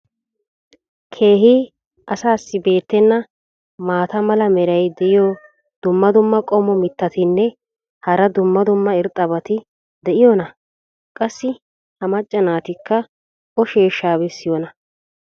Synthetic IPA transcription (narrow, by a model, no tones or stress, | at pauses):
kʰe̞ːɦiː | ʔɐsaːsːɪbe̞ːt̪ːɛnːɐ | maːt̪ɐmɐlɐmɛɾɐjd̪ɛʔɪjɔ | d̪̥ʊmːɐd̪ʊmːɐkʼɔmɔmɪt̪ːɐt̪ɪnːɛ | hɐɾɐd̪ʊmːɐd̪ʊmːɐɪɾt̪ʼːɐbɐt̪ɪ | d̪ɛʔɪjɔnɐ | kʼɐsːɪ | hɐmɐt͡ʃʼːɐnaːt̪ɪkːɐ | ʔɔʃeːʃːaːbɛsːɪjɔnɐ